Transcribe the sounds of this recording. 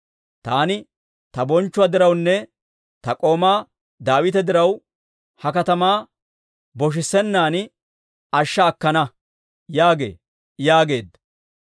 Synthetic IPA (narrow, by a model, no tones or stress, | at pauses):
t̪aːnɪ | t̪ɐbɔnt͡ʃːʊaːd̪ɪɾɐwnːɛ | t̪ɐkʼo̞ːmaː | d̪aːwɪt̪ɛd̪ɪɾɐw | hɐkɐt̪ɐmaː | bɔʃ̬ɪsːɛnːaːn | ɐʃːɐːkːɐnɐ | jaːɡe̞̰ː | jaːɡe̞ːd̪